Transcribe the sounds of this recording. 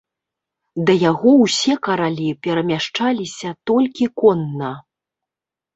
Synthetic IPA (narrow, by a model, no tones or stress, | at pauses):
d̪ɐjaɣɔwsʲɛkɐɾalʲipʲɛɾɐmʲaʂt͡ʂalʲisʲɐt̪ɔlʲkʲikɔnːɐ